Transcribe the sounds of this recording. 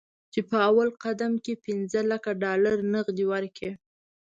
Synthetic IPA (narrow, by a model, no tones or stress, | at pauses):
t͡ʃepəawalqad̪amkepɪnzəlakaɖɑlaɾnəɣd̪iwaɾkʰe